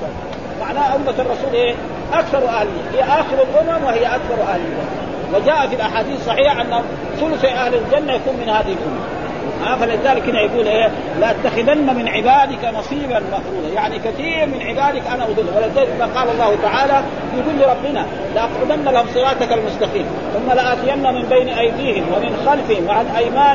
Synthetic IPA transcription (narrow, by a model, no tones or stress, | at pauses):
maʕnaːhaʔʊmːatɑrˤːɑsuːlʔeː | ʔakθɑɾˤwʔahlɪjːahijːaʔaːxɪɾalʔʊmamwɪhijːaʔakθɑɾˤwʔahlald͡ʒanːa | wad͡ʒaːʔafilʔaħaːd̪iːθsˤɑħiːħaʔanːa | sʊlsiʔahlald͡ʒanːajakuːnminhaːd̪ihilʔʊmːa | ʔafalizaːlikhɪnːajaɡuːlʔeː | laʔat̪ːaxɪd̪anːamɪnʕɪbaːd̪ɪkanɑsˤiːbanmaqɾuːlajaʕnikaθiːɾmɪnʕɪbaːd̪ɪkʔanaʔʊd̪ɨlːawalad͡ʒaːamaːqɑːlɑlˤːɑːhut̪aʕaːla | jɪɡuːlːiɾˤɑbːɪna | lɪʔɑqʕʊd̪anːalahumsˤɨɾaːt̪akalmʊst̪axiːm | θʊmːalaʔaːt̪ɪjanːamɪmbejnʔajd̪iːhɪmwamɪnxalfɪhɪmwaʕanʔajmaː